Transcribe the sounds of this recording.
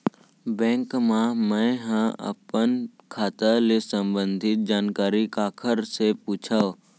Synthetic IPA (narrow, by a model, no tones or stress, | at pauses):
bɛ̃ːŋkmãmɛ̃ɦə̃ə̰pənkʰaːt̪əlesə̃mbə̃nd̪ʱɪt̪̚d͡ʒaːnkaːɾikaːkʰəɾsepuːt͡ʃʰa